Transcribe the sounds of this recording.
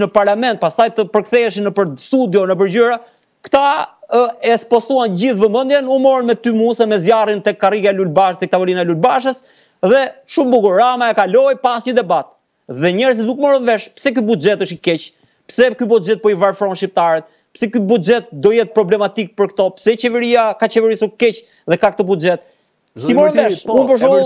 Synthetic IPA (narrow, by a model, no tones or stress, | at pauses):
nəpaɾlamɛnt̪̚past̪ajt̪əpəɾkθɛɛʃ̬inəpəɾst̪ud̪jɔnəp̬əɾd͡ʑəɾa | kt̪a | ɛspɔst̪uand͡ʑiθvəmənd̪jɛnumɔɾnmɛt̪ymusɛmɛzjarint̪ɛkːariɡaɛlulbaʃt̪ɛkt̪avɔlinaɛlulbaʃəs | ðɛʃumbuɡuɾɾamaɛkalɔjpasɲəd̪ɛbat̪̚ | ðɛɲɛɾzit̪d̪ukmɔɾənvɛʃpsɛk̬ybud͡ʒɛt̪əʃikɛt͡ɕ | psɛkybud͡ʒɛt̪̚pɔivaɾfɾɔnʃip̚t̪aɾɛt̪̚ | psɛkybud͡ʒɛt̪̚d̪ɔjɛt̪̚pɾɔblɛmat̪ik̚pəɾkt̪ɔpsɛt͡ɕɛvɛɾiakat͡ɕɛvɛɾisukɛc | ðɛkak̚t̪ɔbud͡ʒɛt̪̚ | simɔɾvɛunpəʃ̬u